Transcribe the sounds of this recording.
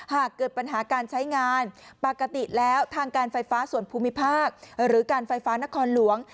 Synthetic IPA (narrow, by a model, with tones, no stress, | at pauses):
haː˨˩kːɤː˨˩t̪̚pa˧nɦaː˩˦kaː˧nt͡ɕʰa˦˥jŋaː˧npa˨˩ka˧t̪i˨˩lɛː˦˥wt̪ʰaː˧ŋkaː˧nfa˧jfaː˦˥su˨˩ənpʰuː˧mi˦˥pʰaː˥˩k̚ɾɯː˩˦kaː˧nfa˧jfaː˦˥na˦˥kʰɔː˧nlu˩˦əŋ